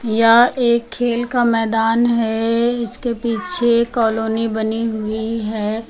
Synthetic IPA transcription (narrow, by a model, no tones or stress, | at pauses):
jaeːkʰːeːlkamɛːd̪aːnɦɛɪskepiːt͡ʃʰekɔːloːnibɐniɦʊiɦɛː